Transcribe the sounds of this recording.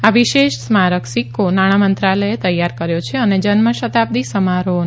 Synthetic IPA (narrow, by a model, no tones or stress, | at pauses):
aʋiʃeʃsmaɾəksikːonaɽ̃amənt̪ɾaləet̪əjːaɾkəɾjot͡ʃʰeəned͡ʒənməʃət̪ab̚d̪isəmaɾon